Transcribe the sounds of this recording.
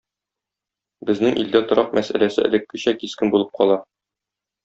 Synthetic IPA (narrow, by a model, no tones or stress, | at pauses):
bɘ̆znɘŋʔḭld̪æt̪ŏɾɑq̚mæsæ̰læsɘɘ̰̆lɘ̆kːɘ̆ɕækiskɘnbulˠɤp̚qʰɒlˠɑ